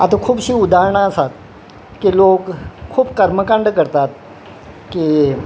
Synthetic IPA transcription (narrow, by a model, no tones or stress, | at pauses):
a̰t̪akʰuːbɕiːud̪aɾɳaəsat̪ | kilokʰːuːbkəɾməkaɳɖkəɾt̪at̪̚ | ki